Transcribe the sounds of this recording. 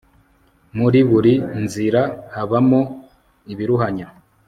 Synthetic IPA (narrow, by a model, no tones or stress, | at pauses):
muɾiβuɾinziɾahaβamo | iβiɾuɦaɲa